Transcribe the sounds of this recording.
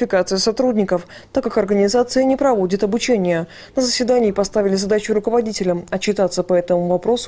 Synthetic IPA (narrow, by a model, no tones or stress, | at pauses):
fʲɪkat̪sɨjəsɐt̪ɾudʲnʲɪkəf | t̪akːakɐrɡənʲɪzat̪sɨjənʲɪpɾɐvo̞dʲɪt̪ɐbʊt͡ɕenʲɪjə | nəzəsʲvʲɪd̪anʲɪːpɐst̪avʲɪlʲɪzɐd̪at͡ɕʊɾʊkəvɐdʲitʲɪlʲəmɐt͡ɕːɪt̪at̪səpɐɛt̪əmʊvɐpɾo̞sʊ̥